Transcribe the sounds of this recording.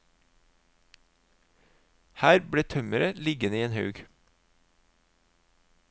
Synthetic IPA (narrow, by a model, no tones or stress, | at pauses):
hæːɾbɽeːt̪ʰœməɾəlɪɡənəiːeːnhɑʉɡ